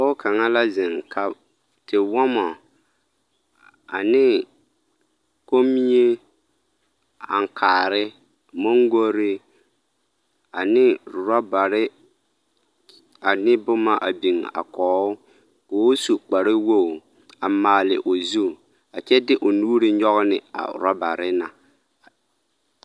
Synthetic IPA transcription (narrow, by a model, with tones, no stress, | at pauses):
ɔ˦ʊ˦kʰa˨ŋa˦la˦zɪ˨ŋkʰa˦ | tɪ˨wɔ˦mɔ˨ | a̰˨nɪ˦ | ko˦mi˦je˦ | a̰˨ŋ˨kʰaː˨ɾɪ˦ | mo˦ŋɡo˦ɾɪ˦ | a˨nɪ˦ɾʊ˨ɾa˦ba˨ɾɪ˦ | a˨nɪ˦bʊ˦ma˦ʔa̰˨bi˨ŋa̰˨kɔː˨˦ʊ˦ | kʊ˨˦su˨k͡pa˨ɾɪ˦wo˦˨ | a˨maː˨lɪ̰˨ʔʊ˨zu˦˨ | a˨t͡ʃɛ˦dɪ˦ʔʊ˨nuː˦ɾɪ˦ɲɔ˦ɣʊ˦nɪ̰˨a̰˨ʊ̰˨ɾa˦ba˨ɾɪ˦na˨